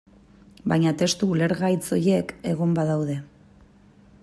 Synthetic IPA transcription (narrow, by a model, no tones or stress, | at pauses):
bajɲat̪e̞st̪uːle̞ɾɣajt͡so̞je̞ke̞ɣombaðawðe̞